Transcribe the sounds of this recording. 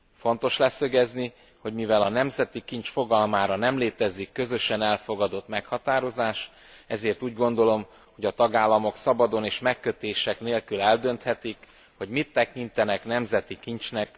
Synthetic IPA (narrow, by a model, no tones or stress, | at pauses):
fo̞nt̪o̞ʃlɛsø̞ɡɛzni | ho̞ɟmivɛlɒnɛmzɛt̪ikint͡ʃfo̞ɡɒlmaːɾɒnɛmleːt̪ɛzikːø̞zø̞ʃɛnɛlfo̞ɡɒd̪o̞t̪mɛkhɒt̪aːɾo̞zaːʃ | ɛzeːrt̪uːɟɡo̞nd̪o̞lo̞m | ho̞ɟɒt̪ɒɡaːlːɒmo̞ksɒbɒd̪o̞neːʃmɛkːø̞t̪eːʃɛkneːlkylɛld̪ø̞nt̪hɛt̪ik | ho̞ɟmit̪ːɛkint̪ɛnɛknɛmzɛt̪ikint͡ʃnɛk